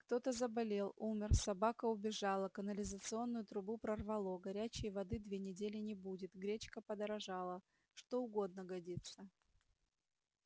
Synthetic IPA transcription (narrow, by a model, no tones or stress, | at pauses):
kt̪o̞t̪əzəbɐlʲe̞lˠumʲɪrsɐbakəʊbʲɪʐɑlˠəkənəlʲɪzət̪sɨo̞nːʊjʊt̪ɾʊbupɾərvɐlˠoɡɐɾʲæt͡ɕɪjəvɐd̪ɨd̪vʲenʲɪdʲelʲɪnʲɪbudʲɪt̪ɡɾʲet͡ɕkəpəd̪əɾɐʐɑlˠə | ʂt̪o̞ʊɡo̞d̪̚nəɡɐdʲit̪sə